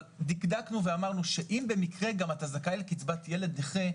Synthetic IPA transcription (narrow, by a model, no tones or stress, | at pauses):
dikdaknuveamaʁnuʃe̞ʔimbe̞mikʁe̞ɡamat̪azakaelkit͡sbatjele̞d̪neχe